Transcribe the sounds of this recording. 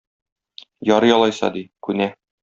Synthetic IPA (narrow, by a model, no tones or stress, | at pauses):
jɒɾɤjɒlˠɑjsɑ̰d̪ikʉnæ